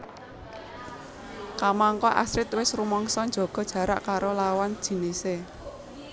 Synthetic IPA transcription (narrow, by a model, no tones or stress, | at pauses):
kamaŋkɔʔa̰sɾɪt̪wɪsrumɔŋsɔnd͡ʒɔ̤ɡ̥ɔ̤d̥ʒ̥ä̤ɾa̰ʔkaɾolawand̥ʒ̥i̤nise